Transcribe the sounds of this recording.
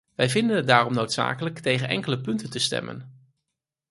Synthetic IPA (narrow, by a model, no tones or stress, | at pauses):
ʋɛjvɪndənɦət̚daːrɔmnowtsa̰ːkələktejχənʔɛ̰ŋkələpɵntəntəstɛ̰mə̰n